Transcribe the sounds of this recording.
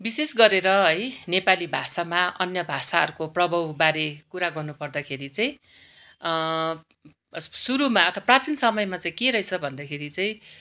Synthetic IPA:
bisesɡʌɾeɾʌɦʌjnepalibʱasamaʌnjʌbʱasaɦʌ̰ɾukoprʌbʱʌwbaɾekuɾaɡʌrnupʌrd̪akʰeɾit͡saĩ | suɾumaʌt̪ʰʌaprat͡sinsʌmʌjmat͡saĩkeɾʌit͡sʰʌbʱʌnd̪akʰeɾit͡saĩ

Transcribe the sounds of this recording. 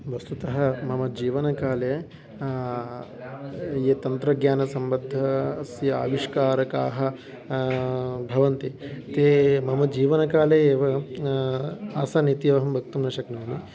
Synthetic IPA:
ʋɐst̪ut̪ɐɦɐ̆mɐmɐd͡ʒiːʋɐnɐkaːle | jeːt̪ɐnt̪ɾɐɡjaːnɐsɐmbɐd̪ʱːɐːsjɐa̰ːʋiʂkaːɾɐkaːɦɐ̆ | bʱɐʋɐnt̪it̪eːmɐmɐd͡ʒiːʋɐnɐkaːleeːʋɐ | aːsɐnit̪iɐʋɐɦɐmbʱɐk̚t̪umnɐʃɐknoːni

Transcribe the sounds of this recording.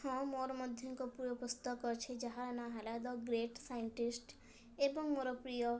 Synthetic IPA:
ɔ̃moɾmɔd̪ʱjɔŋkɔpuɾɔpɔst̪ɔkɔɾt͡ʃʰed͡ʒaɦanaɦalad̪ɔɡɾeʈsajɳʈisʈ | ebɔŋmoɾɔpɾijɔ

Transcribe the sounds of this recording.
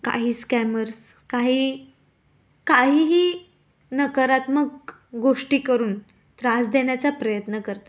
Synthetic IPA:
ka̰ɦiːskæməɾs | kaɦiː | kaɦiːɦiː | nəkəɾat̪məɡ | ɡoʂʈiːkəɾuːn | t̪ɾasd̪eɳjat͡sapɾəjət̪nəkəɾt̪a

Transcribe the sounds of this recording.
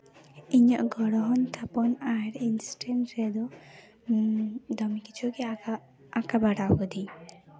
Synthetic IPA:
iɲɔʔɡɔɽɔɦɔnt̪ʰapɔnaɾinsʈenʈɾɛd̪ɔ | d̪ɔmikit͡ʃʰuki | akabaɽawɡɔd̪i

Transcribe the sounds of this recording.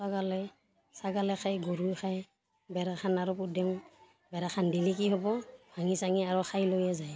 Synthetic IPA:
saɡalɛ | saɡalɛxʰajɡuɾujxʰaj | bɛɾaxanaɹɔpudɛŋ | bɛɾaxʰandilik̬iɦɔbɔbʱaŋisaŋiaɹɔxʰajlojazaj

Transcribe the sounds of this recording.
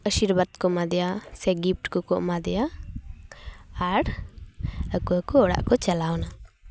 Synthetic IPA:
əʃiɾbad̪kɔmad̪ɛjasɛɡip̚ʈkɔkɔʔmad̪ɛja | ɾ | əkuakɔɔɽa̰ʔkɔt͡ʃəlawna

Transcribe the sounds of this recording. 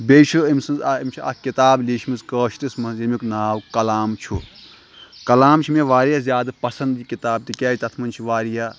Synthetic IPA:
bʲeːt͡ʃʰuimsɐnzaimt͡ʃʰua̰kit̪aːbliːʃʰminzkəːʃt̪ismɐnzimiknaːwkɐlaːmt͡ʃʰu | kɐlaːmt͡ʃʰimeʋaːɾijazʲjaːd̪ɐpɐsɐnd̪jikit̪aːb̚t̪ikʲaːjt̪ɐt̪ʰmɐnʲt͡ʃʰiʋaːɾija

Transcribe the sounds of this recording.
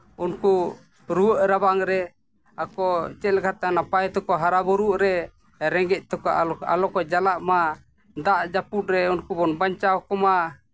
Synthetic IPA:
unku | ɾuəʔɾabaŋɾɛ | akɔt͡ʃɛt̪̚lɛkʰat̪ɛanapajt̪ɔkɔɦaɾabɔɾuʔɾɛ | ɾɛŋɡɛc̪̚ˀt̪ɔkɔa̰lɔkɔd͡ʒalaʔma | d̪aʔd͡ʒaput̪̚ɾɛunkubɔnbaɲt͡ʃawkɔma

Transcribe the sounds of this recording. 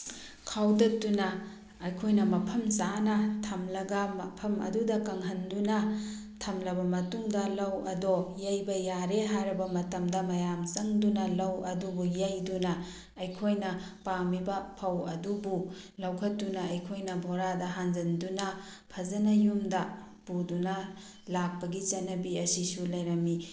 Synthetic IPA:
kʰawdɐt̚tːunɐː | jkʰojnɐmɐpʰɐmsanɐtʰɐmlɐɡɐmɐpʰɐmɐ̰dudɐkɐŋɦɐndunɐ | tʰɐmlɐbɐmɐtuŋdɐlɐwɐ̰dojɐjbɐjaɾeɦajɾɐbɐmɐtɐmdɐmɐjamsɐŋdunɐlɐwɐdubujɐjdunɐː | jkʰojnɐpamibɐpʰɐwɐdubulɐwkʰɐt̚dunɐɐjkʰojnɐbʱoɾadɐɦand͡ʒɐndunɐ | pʰɐzɐnɐjumdɐ | pudunɐ | lak̚pɐɡit͡ʃɐnːɐbiɐsisulɐjɾɐmi

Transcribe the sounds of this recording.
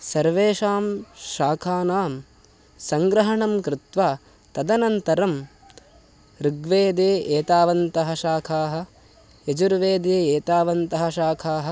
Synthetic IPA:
sɐɾʋeːʃaːmʃaːkʰaːnaːm | sɐŋɡɾɐɦɐɳɐmkɾɪt̪ʋaː | t̪ɐd̪ɐnɐnt̪ɐɾɐm | ɾiɡʋeːd̪eːʔeːt̪aːʋɐnt̪ɐɦɐ̆ʃaːkʰaːɦɐ̆ | ed͡ʒuɾʋeːd̪eːeːt̪aːʋɐnt̪ɐɦɐ̆ʃaːkʰaːɦɐ̆

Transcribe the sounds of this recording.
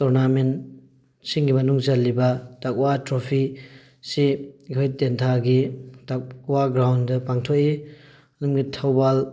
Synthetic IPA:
tɔɾnamen | siŋɡimɐnuŋzɐlːibɐtak̚watɾopʰi | siɡojtentʰaɡitakwaɡɾawndɐpaŋtʰɔʔi | ɐnumɡitʰawbal

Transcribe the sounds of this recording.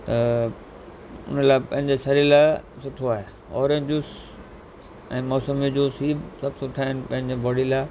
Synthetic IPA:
t̪ɐ | ʊ̰nəlaːpɐ̃ɦɪ̃ɲd͡ʑesɐɾilaː | sʊʈʰoaːɦe | ɔ̰ːɾẽːɲd͡ʑʊs | ɛ̰̃ːmɔːsəmid͡ʑoːsiːbsɐbsʊʈʰaːɦɪnɪ̆pɐ̃ɦɪ̃ɲd͡ʑebɔːɽilaː

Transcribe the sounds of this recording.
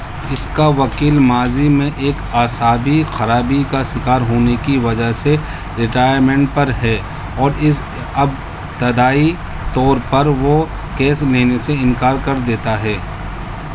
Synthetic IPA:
ɪskaʋɐkiːlmaːzimẽʔeːkaːsaːbixɐɾaːbikaʃɪkaːɾɦoːnekiʋɐd͡ʒəɦse | ɾɪʈaːjəɾmɛ̃ɳʈ̚pɐɾɦɛː | ɔːɾɪs | ɐb | t̪ɐd̪aːi | t̪ɔːɾpɐɾʋo | kɛːsleːneseɪ̃nkaːɾkɐɾd̪eːt̪aɦɛː

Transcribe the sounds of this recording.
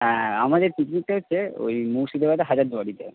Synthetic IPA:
ɦɛ̃amad̪eɾt̪iknik̚ʈaɦotːɕʰeo̰jmuʃid̪ebad̪eɦad͡ʑaɾd̪uaɽit̪e

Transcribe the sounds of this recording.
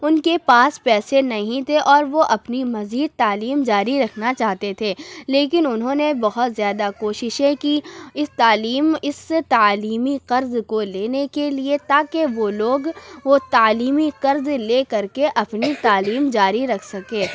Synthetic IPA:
ʊnkepaːspɛːsenɐɦĩt̪ʰeʔɔːɾʋoʔɐpnimɐziːd̪̚t̪aːliːmd͡ʒaːɾiɾɐkʰnat͡ʃaːɦt̪et̪ʰeːleːkɪnʊnɦõːnebɐɦʊt̪zjaːd̪akoːʃɪʃẽkiɪst̪aːliːmɪst̪aːliːmiqɐɾzkoleːnekeliet̪aːkeʋoloːɡʋot̪aːliːmiqɐɾzleːkɐɾkeʔɐpnit̪aːliːmd͡ʒaːɾiɾɐkʰsɐkẽː

